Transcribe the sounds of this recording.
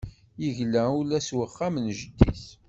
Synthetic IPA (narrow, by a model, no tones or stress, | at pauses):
jəʝlæulæswəχːamnʒəd̪ːḭθ